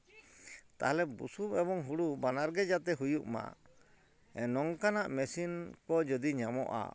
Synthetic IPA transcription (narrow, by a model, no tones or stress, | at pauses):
t̪a̰ɦalɛbṵsumɛbɔŋɦuɽubanaɾɡɛd͡ʒat̪ɛɦujuʔma̰ | ɛnɔŋkanaʔmɛsinkɔd͡ʒɔd̪iɲamɔ̰ʔa̰